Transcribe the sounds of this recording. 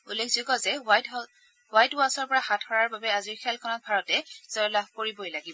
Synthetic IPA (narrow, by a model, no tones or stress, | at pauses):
ulekʰz̥ukɔzɛwajtɔ | wajtʊasɔɹpɔɹaxatʰhɔɹaɹbabɛaziɹkʰɛlkʰɔnɔt̚bʱaɹɔtɛz̥ɔjlab̚ʱkoɹibojlaɡibɔ